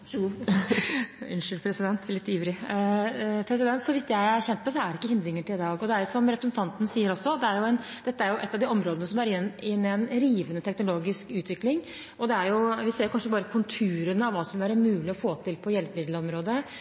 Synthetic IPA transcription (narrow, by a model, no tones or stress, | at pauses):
ʉnʂɪlpʰɾɛsɪd̪ɛnt̪ʰlɪt̪ːiɾɪ | pʰɾɛs̬ɪd̪ɛnt̪sɔʋɪt̪ːjæɪæɾçɛnt̪pɔs̬ɔæɖɛɪkːəhɪnd̪ɾɪŋːəʈʰɪlɪd̪ɑːɡɔd̪ɛæɾjʊsɔmɾɛpɾəsnt̪ɑnt̪ənsiːəɾɔsːɔd̪ɛæɾjʊɛnd̪ɛt̪ːəæɾjʊʔɛt̪ːɑʋd̪iɔmɾoːd̪ənəsɔmæɾɪnɪnːɛnɾiːʋənət̪ʰɛknʊloːɡɪskʉːt̪ʋɪklɪŋ | ʔɔd̪ɛæɾjʊʋɪseːɾjʊkʰɑnʂəbɑːɾəkʰʊnt̪ʰʉːɾənəɑʋɑːsɔmʋæɾmʉːlɪɔfoːt̪ʰɪlpʰɔjɛlpəmɪd̪ləɔmɾoːd̪ə